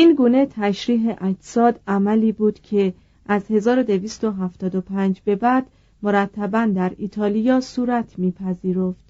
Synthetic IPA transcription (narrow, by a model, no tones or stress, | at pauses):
iːnɡuːne̞t̪ʰæʃɾiːɦeʔæd͡ʒsɒːd̪æmæliːbuːd̪̥cʰe̞ | ʔæzhe̞zɒːɾod̪e̞viːst̪o̞ɦæft̪ɒːd̪opʰænd͡ʒbe̞bæd̪̥ | mo̞ɾæt̪ʰːæbænd̪æɾiːt̪ʰɒːlijɒːsuːɾæt̪ʰmiːpʰæziːɾo̞ft̪